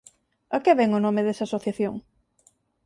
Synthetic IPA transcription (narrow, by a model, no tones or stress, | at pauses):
ɐkɛβɛŋonomɪðesɐaːsoθjaθjoŋ